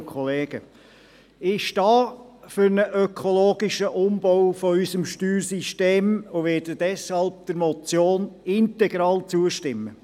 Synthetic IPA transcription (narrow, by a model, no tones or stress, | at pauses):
kʰɔleːɡ̥ə | ɪʃd̥ɑːføɾnəʔœkʰɔloːɡ̥ɪʃəʔʊmb̥ɔwfɔysəmʃtyːɾsiʃteːmʊʋɛːdədɛshɑlb̚d̥̪əɾmɔt͡sjoːnɪnt̪ɛɡ̥ɾɑːlt͡suəʃtɪmːə